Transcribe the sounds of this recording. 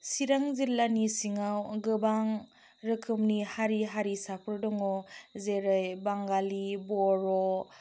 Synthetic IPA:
siɾaŋziɾlanisiŋawɡɯbaŋ | ɾɯkʰɯmnihaɾiɦaɾisapʰɯɾdɔŋɔzeɾɯjbaŋɡalibɔɾɔ

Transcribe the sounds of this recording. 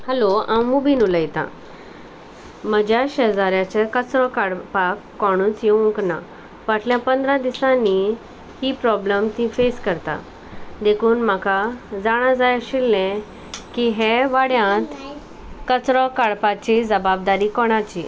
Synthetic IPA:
həloãmmubiːnuləjt̪ã̰ | m̤əd͡ʑjaɕəd͡zaɾjat͡ɕəkət͡sɾɔkaɽpakːɔɽ̃ũːt͡sjeũŋkna̰ | ʋaʈʰljãpənd̪ɾãd̪isãnːi | hipɾɔbləmt̪ĩfeskəɾt̪a̰ | d̪ekʰuːnm̤akad͡zaɽ̃ãd͡zajaɕilːɛ̃ | kiɦɛʋaɽjãt̪ | kət͡sɾɔkaɽpat͡ɕid͡zəbab̚d̪aɾiːkɔɽ̃at͡ɕi

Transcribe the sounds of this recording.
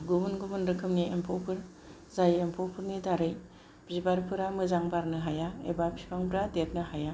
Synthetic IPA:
ɡubunɡubɯnɾɯkʰɯmniempʰowpʰɯɾ | zajempʰɔwpʰɯɾnidaɾɯj | b̥zibaɾpʰɯɾamɯzaŋbaɾnɯɦajaḛbapʰipʰaŋbɾadet̚nɯɦaja

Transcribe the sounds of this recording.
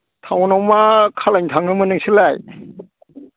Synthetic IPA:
tʰawnawmakʰalajɲtʰaŋnɯmɯnɯŋsɯlaj

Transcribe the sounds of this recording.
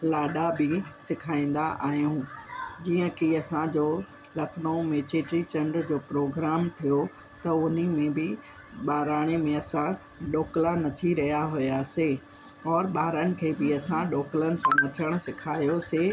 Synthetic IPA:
laːɗabʱɪsɪkʰaːĩːn̆d̪aʔa̰ːɦijũːd͡ʑiːə̃kiɐsãd͡ʑoː | lɐknomeːt͡ɕeːʈɾit͡ɕɐ̃ɳɖɾd͡ʑoːpɾoːɡɾaːmt̪ʰijo | t̪ɐʊnimẽbɪ | ɓaːɾaːɽ̃emẽɐsã | ɗoːklanɐt̪ʰiɾɐɦijaɦʊjaːse | ɔːɾɓaːɾəñɪ̆kʰeːbɪɐsãɗoːklənɪ̆sãnɐt̪ʰəɽ̃ʊ̆sɪkʰaːjoseː

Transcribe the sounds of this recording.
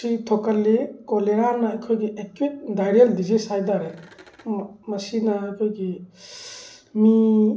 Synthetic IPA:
sitʰokɐlːekoleɾanɐːjkʰojɡiʔekwit̚dajɾeldizisajdaɾe | mɐsinɐajkʰojɡi | mi

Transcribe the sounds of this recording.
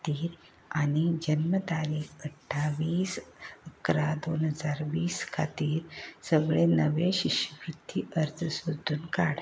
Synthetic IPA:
t̪iːɾ | aɽ̃id͡ʑənmət̪aliːkəʈʰːaʋiːsəkɾad̪onɦəd͡zaɾʋiːskʰat̪iːɾsəɡɭenəʋeɕiɕjəkɾut̪ːiʔəɾt̪ʰəsud̪ʱːuːnkaɽ

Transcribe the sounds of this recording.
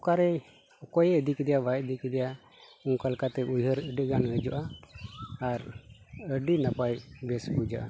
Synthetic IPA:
ɔkaɾɛ | ɔkɔjɛəd̪ikɛd̪ɛjabajd̪ikɛd̪ɛja | uŋkalkat̪ɛujɦəɾəɖəɡanəd͡ʒɔʔaː | ɾəɖinapajbɛsbud͡ʒa̰ʔa

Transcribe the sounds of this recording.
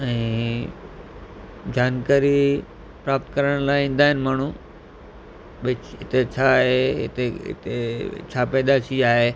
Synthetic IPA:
ɛ̃ː | d͡ʑaːnkaːɾi | pɾaːpt̪kɐɾəɽ̃laːɪĩːn̆d̪aːɦɪnɪmaːɳ̤̃u | ɓɪɦɪt̪et͡ɕʰaɦeɪ̰t̪eɪ̰t̪ḛt͡ɕʰaːpɛ̃ːd̪at͡ɕʰiaːɦeː

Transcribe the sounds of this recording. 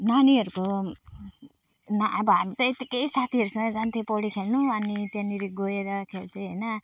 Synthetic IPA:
naniɦʌɾuko | naːbʌɦamit̪ʌet̪ikejsat̪ʰiʌɾusʰʌ̃d͡zant̪ʰipoɽikʰelnuʌnit̪eniɾiɡoeɾʌkʰelt̪ʰeɦʌjnʌ

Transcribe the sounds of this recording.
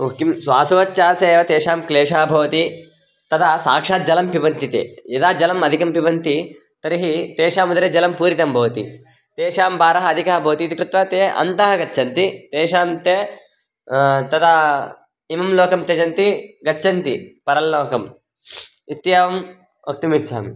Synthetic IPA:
ukimsʋaːsuʋɐtːt͡ʃːaːseːʋɐt̪eːʂaːmkleːʂaːbʱɐʋɐt̪i | t̪ɐd̪ɐsaːkʂaːd͡ʒɐlɐmpiʋɐnt̪it̪ḛːɐd̪aːd͡ʒɐlɐmɐd̪ʱikɐmpiʋɐnt̪i | t̪ɐɾiɦit̪eːʂaːmud̪ɐɾeːd͡ʒɐlɐmpuːɾit̪ɐmbʱɐʋɐt̪ḭ | t̪eːʂaːmbaːɾɐɦɐɐd̪ʱikaɦɐbʱɐʋɐt̪iːt̪ikɾɪt̪ʋɐt̪eːɐ̰nt̪ɐɦɐɡɐt͡ʃːʃʰɐnt̪it̪eːʃaːmt̪eː | t̪ɐt̪ɐ | imɐmlɔːkɐmt̪eːd͡ʒɐnt̪iɡɐt͡ʃːʰɐnt̪ipɐɾɐllɔːkɐm | it̪jaːʋɐm | ok̚t̪imit̪t͡ʃʰa̰ːmḭ

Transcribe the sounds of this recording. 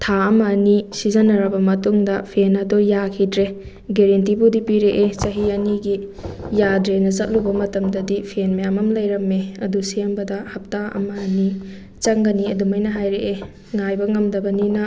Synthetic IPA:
tʰaɐmɐːnisizɐnɐɾɐbɐmɐtuŋdɐpʰenɐdɔjakʰidɾe | ɡeɾentibudipiɾeʔet͡ʃɐɦiɐniɡijadɾenɐzɐt̚lubɐmɐtɐmdɐdipʰenmejamɐmlɐjɾɐmːeɐdusiɐmbɐdɐhɐp̚taɐ̰mɐːni | t͡ʃɐŋɡɐniɐdumɐjnɐɦajɾeʔe | ŋajbɐŋɐmdɐbɐninɐ

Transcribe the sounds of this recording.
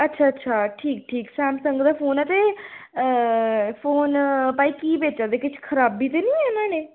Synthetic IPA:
ətːʃʰaːətːʃʰaːʈʰiːk̚ʈʰiːksɛːmsəŋɡd̪aːpʰoːnɛːt̪eː | pʰoːnpaːiːkiːbeːt͡ʃaːd̪eːkɪt͡ʃʰkʰəɾaːbiːt̪̬eːnĩːɛnãːneː

